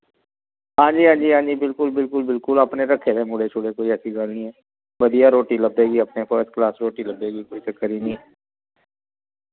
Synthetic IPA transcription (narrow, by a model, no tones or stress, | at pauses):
ɦãːɲd͡ʒiːɦãːd͡ʒiːãːnd͡ʒiːbɪlkʊlbɪlkʊlbɪlkʊləpneɾɐkʰeɾemʊɽet͡ʃʰʊɽekoːiɛːsiɡaːlnĩɦɛː | ʋəd̪ijaɾoːʈiləbːeːɡiɐpnepʰəɾsklaːsɾoːʈiləbːeːɡikoːit͡ʃəkːəɾinĩɦɛː